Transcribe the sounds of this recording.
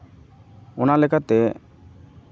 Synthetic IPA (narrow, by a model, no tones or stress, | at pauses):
ɔnalɛkat̪ɛ